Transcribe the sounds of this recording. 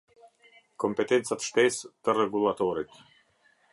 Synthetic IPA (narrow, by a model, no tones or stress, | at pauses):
kɔmpɛt̪ɛnt̪sat̪ʃt̪ɛst̪ərɛɡulˠat̪ɔɾit̪